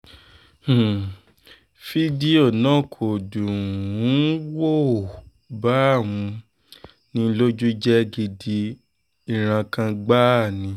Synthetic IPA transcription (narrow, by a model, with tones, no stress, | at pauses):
h̩˦˨ | fi˦di˦o˨nɔ̃˦˨kʰo˨dũ˨˦wo˦˨ | ba˨˦˨w̃ũ˧ | nĩ˧˦lo˦d͡ʒu˦d͡ʒɛ˦ɡi˧di˧ | i˦˨ɾ̃ã˧kã˧ɡ͡ba˦˨nĩ˧˦